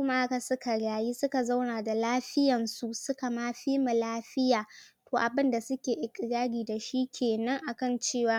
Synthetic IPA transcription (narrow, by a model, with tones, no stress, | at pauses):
kʊ˦ma˦ʔa˦ka˨sʊ˦ka˨ɽaː˨ji˦sʊ˦ka˨za˦wnaː˨da˨laː˦ɸɪ˦jɐ˨nsu˦ʔsʊ˦ka˨maː˦ɸiː˦mu˨laː˦ɸɪ˦jaː˨ | toː˨ʔa˨bɪ˦nda˨sʊ˦kʲeː˨ʔɪ˦kʲʼɪ˨ɽaː˦ɽiː˨da˨ʃi˦kʲʰeː˨nɐ˦ŋʔa˨kɐ˦˨nt͡ʃeː˦˨waː˦